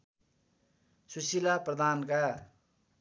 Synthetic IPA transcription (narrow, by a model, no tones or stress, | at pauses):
susilaprʌd̪ʱanka